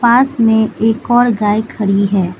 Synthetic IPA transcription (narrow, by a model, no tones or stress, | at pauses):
paːsmẽeːkɔːɾɡaːjkʰɐɾiɦɛː